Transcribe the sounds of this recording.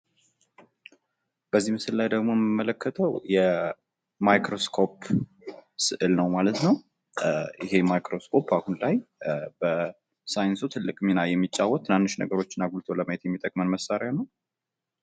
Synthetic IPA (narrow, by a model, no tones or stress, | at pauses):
b̥əzːihmɨsɨllajd̪əɡmojɛmɨmələkʰːət̪ʰəwjɛ | majkɾo̞skʰo̞p | sɨʔɨlnəwmalət̪nəw | ʔɪhe̞majkɾo̞skʰo̞pːahunlajb̥ə | sajɨnsut̪ʰɨlːɨkʼminajɛmːit͡ʃʼːawːɔt̪ʰːɨnanːɨʃnə̰ɡəɾo̞t͡ʃːɪnːaɡult̪ʰo̞ləməjet̪jɛmːit̪ʼəkʼmənməsːaɾjanəw